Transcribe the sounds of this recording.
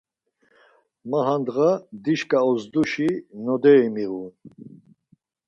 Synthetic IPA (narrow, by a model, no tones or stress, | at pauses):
maɦand̪ɣad̪iʃkʼaɔzd̪uʃinɔd̪ɛimiɣun